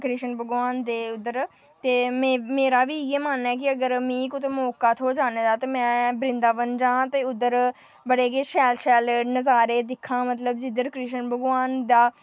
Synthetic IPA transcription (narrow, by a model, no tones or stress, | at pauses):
kɾiʃənbəɡʋaːnd̪eːʊd̪ːəɾ | t̪eːmẽːmeːɾaːʋiːɪjeːmaːnɛːkɪəɡəɾmĩːkʊt̪eːmoːkaːt̪ʰoːd͡ʒaːneːd̪aːt̪eːmɛ̃ːbɾɪ̃nd̪aːʋənd͡ʒãːt̪eːʊd̪ːəɾ | bəɽeːkeːʃɛːlʃɛːlnəzaːɾeːd̪ɪkʰːãːmət̪̬ləbd͡ʒɪd̪əɾkɾiːʃənbəɡʋaːnd̪aː